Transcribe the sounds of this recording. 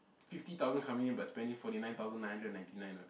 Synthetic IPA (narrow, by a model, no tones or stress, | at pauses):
fiftit̪aʊzə̃nkʰãmunjə̃nbajspɛ̃ndĩŋfɔɾinãj̃nt̪awzə̃nːãj̃hãndɹədnãɪ̃ntinãj̃no